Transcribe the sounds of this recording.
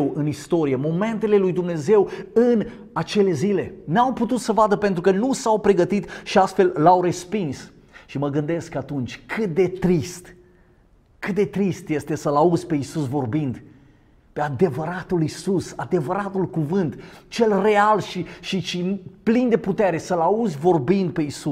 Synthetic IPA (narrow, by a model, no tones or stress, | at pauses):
wɨnist̪o̞ɾijemo̞me̞nt̪e̞le̞lujd̪umne̞ze̞wɨn | at͡ʃe̞le̞zile̞nawput̪ut̪səvad̪əpe̞nt̪ɾukənusawpɾe̞ɡət̪it̪ʃiast̪fe̞llawɾe̞spins | ʃiməɡɨnd̪e̞skat̪unt͡ʃʲkʰɨt̪̚d̪e̞t̪ɾist̪ | kɨt̪̚d̪e̞t̪ɾist̪je̞st̪e̞səlaudzʲpe̞isusvo̞rbind̪ | pe̞ad̪e̞vəɾat̪ulisusad̪e̞vəɾat̪ulkuvɨnt̪t͡ʃe̞lre̞alʃiʃiʃiplind̪e̞put̪e̞ɾe̞səlauzʲvo̞rbind̪̚pe̞isu